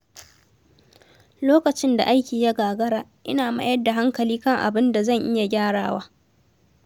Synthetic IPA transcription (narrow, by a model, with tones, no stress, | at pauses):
loː˦kɐ˨t͡ʃɪ˦nda̰˨ʔa˦jkʲiː˨ja˦ɡaː˨ɡɐ˦ɽaː˨ʔɪ̰˦naː˨ma̰˦jɐ˦da˨ɦa˦ŋkɐ˨liː˦kɐ˦ŋʔa̰˨bɪ˦nda˨zɐ˦˨ŋʔɪ˦ja˨ɡʲaː˦ɽaː˨waː˦